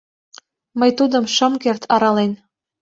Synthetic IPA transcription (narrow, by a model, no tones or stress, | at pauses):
məjt̪ud̪ɤ̆mʃɤ̆mkert̪ʰɑɾɑlen